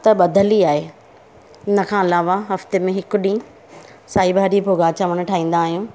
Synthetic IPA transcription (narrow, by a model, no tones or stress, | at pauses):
t̪ɐɓɐd̪ʱəliaːɦe | ʊnə̆kʰãːɪlaːʋaɦɐft̪emẽɦɪkʊ̆ɗĩː | saːibʱaːɾibʱoɡaːt͡ɕʰamʊ̃nʈʰaːɦĩːn̆d̪aːɦijũː